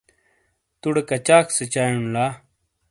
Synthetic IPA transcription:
t̪uɽekɐt͡ɕaːkset͡ɕaːjunlaː

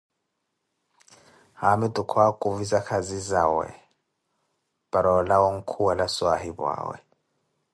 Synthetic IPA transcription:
hamitʼukʰwakʼuvizakʰazizawɛ̰ | b̥aɾɔlawɔŋ̩kʰuwalaswaɦibwa̰ːwɛ̰

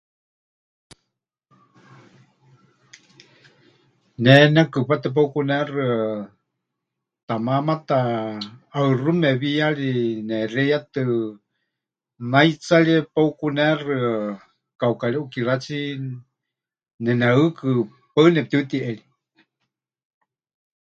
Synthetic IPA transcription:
nɛnɛkɨpat̪ɨp̬aukunɛrɨ | t̪amamat̪aː | ɨrumɛβijaɺinɛrɛjat̪ɨ | najt͡saɺipaukunɛrɨ | kaukaɺiʔukiɾat͡si | nɛnaɨkɨ | paɨnɛp̚t̪iut̪iʔɛɺi

